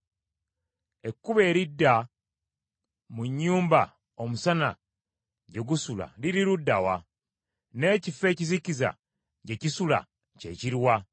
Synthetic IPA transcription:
e̞kːuβe̞ːɾidːa | muɲːuːmba | o̞musana̰ | ɟe̞ɡusula̰liɾiɾudːawa | ne̞ːcife̞ːciziciza̰ | ɟe̞cisula̰ | ce̞̰ciɾwa

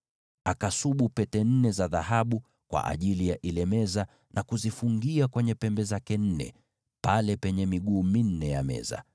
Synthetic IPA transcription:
akasuɓupɛtɛn̩nɛzaðaɦaɓu | kwa̰ʔa̰ʄilijaʔilɛmɛza | nakuzifuŋɡiakwɛɲɛpɛmbɛzakɛn̩nɛ̰ | palɛpɛɲɛmiɠuːmin̩nɛjamɛ̰za̰

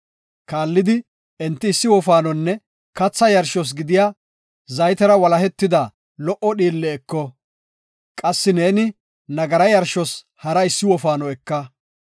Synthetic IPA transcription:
kaːlːɪd̪ɪ | ɛnt̪ːɪːsːɪwɔfaːnɔnːɛ | kɐt͡sːɐjɐɾʃɔs̬ɡɪd̪ɪjaː | zɐjt̪ɛɾɐwɐlɐhɛt̪ːɪd̪ɐ | lɔʔɔɗiːlːɛːkːɔ | kʼɐsːɪneːnɪ | nɐɡɐɾɐjɐɾʃɔs | hɐɾɐɪsːɪwɔfaːnɔɛkːɐ

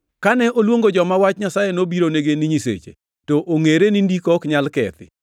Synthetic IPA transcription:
kanɛʔolwoŋɡod͡ʒɔmawat͡ʃɲasajenobiɾoneɡeniɲisḛt͡ʃḛ | toʔoŋeɾenindikɔkɲalkɛ̰t̪ɪ̰

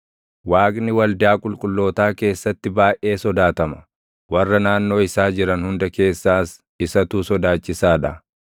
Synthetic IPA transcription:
waːkʼnɪwɐld̪ɪaːkʼʊlkʼʊlːo̞ːt̪aːke̞ːsːɐt̪ːɪbaːʔe̞ːsɔd̪aːt̪ɐmɐ̥ | wɐrːɐnaːnːo̞ːɪsaːd͡ʒɪɾɐnhʊnd̪ɐke̞ːsːaːs | ɪsɐt̪uːsɔd̪aːt͡ʃːɪsaːᶑɐ

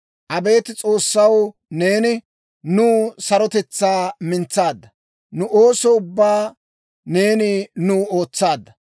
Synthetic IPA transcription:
ʔɐbe̞ːt̪ɪt͡sʼo̞ːsːɐw | ne̞ːnɪ | nuːsɐɾɔt̪ɛt͡sːaːmɪnt͡sːaːd̪ːɐ | nʊʔo̞ːsɔʊbːaː | ne̞ːnɪnʊːo̞ːt͡sːaːd̪ːɐ

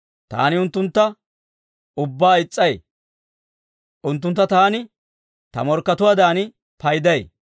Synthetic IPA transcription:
t̪a̰ːnɪʊnt̪ːʊnt̪ːɐ | ʊbːaːɪt͡sʼːɐj | ʔʊnt̪̬ːʊnt̪ːɐt̪aːnɪ | t̪ɐ̰mɔɾkːɐt̪ʊwaːd̪aːnɪ | pɐjd̪ɐj

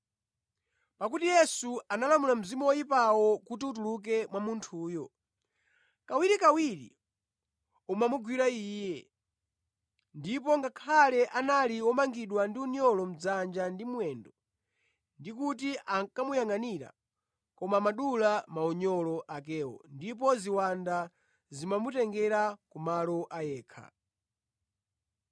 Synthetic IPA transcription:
pak̬utijɛsuanalamulam̩zimɔwɔipawɔkutiutuluk̬ɛmwamuntʰuːjɔ | kawiɾikawiɾḭ | umamuɡwiɾaiːjɛ | ndipɔŋɡakʰalɛʔanaliwɔmaŋɡiɗwandiuɲɔlɔm̩d͡zand͡ʒandimwɛndɔ | ndik̬utiʔakamujaŋaniɾa̰ | kɔmamaɗulamaɔɲɔlɔʔak̬ɛːwɔ̰ndip̬ɔziwanda | zimamutɛŋɡɛɾakumalɔʔajɛːkʰa̰

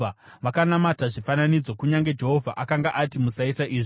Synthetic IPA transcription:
a | ʋakanamataʐifananid͡zo̞kuɲaŋɡe̞d͡ʒe̞ɦo̞vʱaʔakaŋɡaʔatimusaitaʔiːʐi

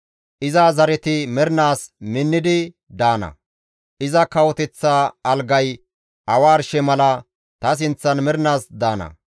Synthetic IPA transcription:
ʔɪzaːzɐɾɛt̪ɪmɛɾnaːsmɪnːɪd̪ɪ | d̪aːnɐ̰ | ʔɪzɐkɐwɔt̪ɛt͡sːaːɐlɡɐj | ɐwaːɾʃɛmɐlɐ | t̪ɐs̬ɪnt͡sːɐnmɛɾnaːsd̪aːnɐ̰

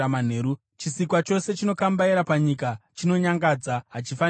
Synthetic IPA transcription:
man̤e̞ːɾu | t͡ʃisikwat͡ʃo̞se̞t͡ʃino̞kambaiɾapaɲikat͡ʃino̞ɲaŋɡad͡zaɦat͡ʃifa

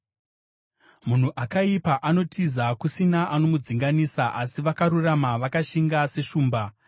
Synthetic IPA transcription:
mun̤uʔakaipaʔano̞tʰizakusinaʔanomud͡ziŋɡanisaʔasiʋakaɾuramaʋakaʃiŋɡase̞ʃuːmba

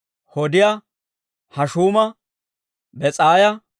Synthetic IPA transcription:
hɔd̪ɪja | hɐʃuːmɐ | bɛt͡sʼaːjɐ

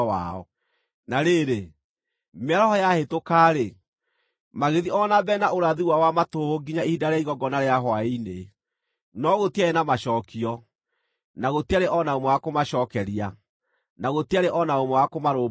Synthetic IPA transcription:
a̰ɔ̰ | naɾeɾe | meaɾɔhɔjahetokaːɾe | maɣeðiʔɔnabɛnaʔoɾaðiwawamatohoɡiɲaihidaɾeaiɣɔɡɔnaɾeaɦwaine | nɔɣotiaenamaɕɔːkiɔ | naɣotiaɾeʔɔnaomɔwakomaɕɔːkɛɾia | naɣotiaɾeʔɔnaomɛwakomaɾo

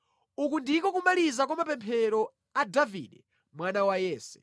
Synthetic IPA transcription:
ukundikɔk̬umalizak̬wamapɛmpʰɛɾɔ | adavḭɗɛ | mwanawajɛːsɛ̥̰

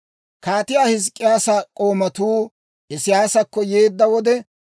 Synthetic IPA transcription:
kaːt̪ɪjaːhɪs̬kʼːɪjaːsɐkʼoːmɐt̪uː | ʔɛsɪjaːsɐkːɔjeːd̪ːɐwɔd̪ɛ

